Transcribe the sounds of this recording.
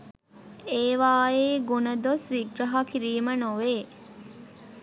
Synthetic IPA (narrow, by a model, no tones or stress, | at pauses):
eːʋaːeːɡunəd̪osʋiɡɾɐɦakiɾiːmənoʋeː